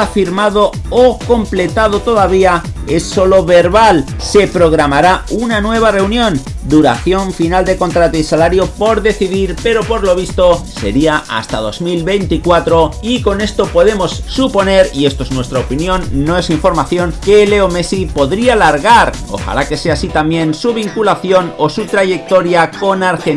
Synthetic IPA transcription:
afiɾmaðo̞oko̞mple̞t̪að̞ot̪o̞ðaβ̞ia | e̞sːo̞lo̞βe̞ɾβal | se̞pɾo̞ɣ̞ɾamaɾaunanwe̞β̞are̞unjõ̞nd̪uɾa̰θjo̞ɱfinald̪e̞ko̞nt̪ɾat̪oisalaɾjo̞po̞ɾðe̞θiðiɾpe̞ɾo̞po̞ɾlo̞β̞ist̪o̞se̞̰ɾiaa̰st̪að̞o̞zmilβe̞jnt̪ikwat̪ɾo̞iko̞ne̞st̪o̞po̞ð̞e̞mo̞sːupo̞ne̞ɾie̞st̪oe̞znwe̞st̪ɾaopinjõ̞nːo̞e̞siɱfo̞ɾmaθjo̞ŋke̞le̞ome̞sipo̞ðɾialaɾɣaɾo̞̰xa̰lake̞se̞asit̪amjẽ̞nsuβ̞iŋkulaθjo̞no̞sut̪ɾaʝe̞k̚t̪o̞ɾjako̞naɾxen

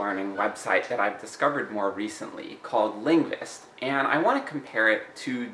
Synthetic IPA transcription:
ɜ̃˞nɪ̃ŋwɛb̥saɪt̪̚ðɨɾaɪvdɨskʌvə˞d̚mɔɹɹisə̰̃nʔlḭkʰɔlˠdˡlɪ̃ŋɡvɪ̰stʔɨ̃na̰ɪwɑ̃nʰɨkʰm̩pʰɛɹɪtʰɨ

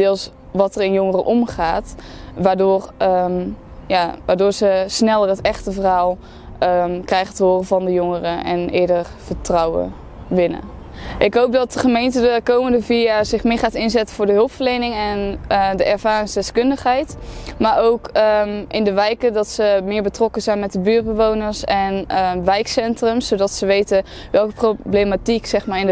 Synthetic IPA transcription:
dɪːlˠs | ʋɑtərɪnjɔŋərə̰ʔɔmχaːtʋaːdʊːrə | jaːʋaːɹdʊːɹzəsnɛlˠərɦətɛχtəvərɦaːlˠ | əkrɛjχətəɦoːrəvɑndəjoŋərəɛnɪ̰ːɹdərv̥ətrɑwə̰ | ʋɪnə̰ | ʔɪkɦowp̚dɑt̚dəχəmejntədəkowməndəviazɪχmɪːɹχaːtɪnzɛtəvʊːɹdəɦɵlˠpfəɹlejnɪŋɛndəʔɛɹvaːrɪŋsdɛskɵndəχɦɛjtmaːɹowkəmʔɪndəʋɛjkədɑtsəmɪːɹbətrɔkəzɛjnmɛt̚dəbyːɹt̚bəʋownəɹsɛnəʋɛjksɛntrəmsowdɑtsəʋejtə | ʋɛlˠkəproblejmatiksɛχmaːɹɪn

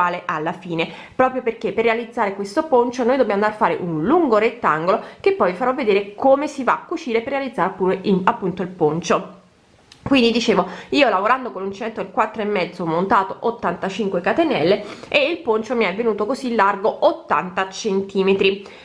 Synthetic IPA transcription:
aːleʔalːafiːne | pɾɔːpɾjoperk̟epːerːealid̪zːaːɾekwest̪opont͡ʃonoːjd̪objamonarfaːɾeʔunluŋɡoɾet̪ːaŋɡolok̟epːɔjifaɾɔvːed̪eːɾekomesivakːut͡ʃiːɾeperːealid̪zaːɾeapːuɾeapːunt̪oilpont͡ʃo | kwind̪id̪it͡ʃeːvoiːolavoɾand̪okonunt͡ʃɛnt̪ɾoelkwat̪ːɾoemːɛd̪zomːont̪aːt̪oʔot̪ːant̪at͡ʃiŋkwekat̪enɛ̰lːeʔeilpont͡ʃomiɛvːenuːt̪okozilːarɡoot̪ːa̰nt̪at͡ʃent̪ʰiːmet̪ɾi

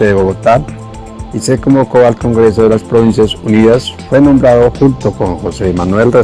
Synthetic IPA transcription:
eðeβoɣot̪al | ise̞komboko̞alko̞ŋɡɾe̞so̞ðelaspɾoβins̬jasuniðasfwe̞nõ̞mbɾaðo̞xunt̪o̞ko̞nxose̞ːmanwe̞lre

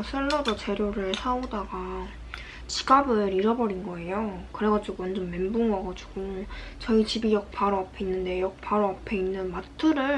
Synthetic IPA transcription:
sʰɯɭːʌd͡ʑʌt͡ɕeɾjoɾɯɭsʰaodaɡa | t͡ɕi̥ɡabɯɾiɾʌbʌɾinɡʌe̞jokɯɾe̞ɡad͡ʑiɡuwʌnd͡ʑʌnme̞mbuŋwaɡad͡ʑiɡ̥o | t͡ɕʌit͡ɕibijʌk̚pʰaɾoapʰe̞inːɯnde̞jʌk̚pʰaɾoapʰe̞inːɯnmatʰɯɾɯɭ

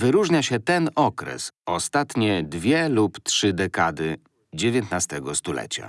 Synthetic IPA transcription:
vɘɾuʐɲaɕɛt̪ɛnɔkɾɛ̰sɔst̪at̪ɲɛd̪vʲjɛluptʂɘd̪ɛkad̪ɘ | d͡ʑevʲjɛnt̪nast̪ɛɡɔst̪ulɛ̰t͡ɕa̰

